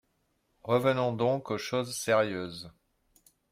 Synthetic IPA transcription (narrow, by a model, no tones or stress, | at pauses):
ʁəvənɔ̃d̪ɔ̃koʃozsɛʁjøːz